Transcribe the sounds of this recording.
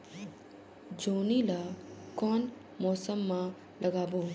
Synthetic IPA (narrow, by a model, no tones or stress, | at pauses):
d͡ʒoːnilakɔːn | mɔːsəmːã | lʔɐɡaːboː